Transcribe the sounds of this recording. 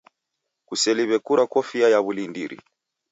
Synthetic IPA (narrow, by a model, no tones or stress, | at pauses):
kusɛliβɛkuɾakɔfiajaβulindiɾḭ